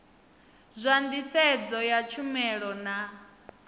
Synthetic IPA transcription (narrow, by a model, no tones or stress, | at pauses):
zʷand̪isɛd͡zɔjat͡ʃʰumɛɺɔna